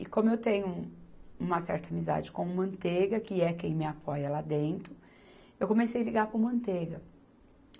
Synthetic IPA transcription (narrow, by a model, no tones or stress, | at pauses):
ɪkõmʊewt̪ẽɲʊ | ũmɐsɛ̰ɾt̪ɐamiza̰d͡ʒɪkõũmɐ̃nt̪eɡɐkɪɛkẽj̃mɪapɔjɐlad̪ẽnt̪ɾʊ | ewkõmesejɐliɡaɾpʊ̃mɐ̃nt̪eɡɐ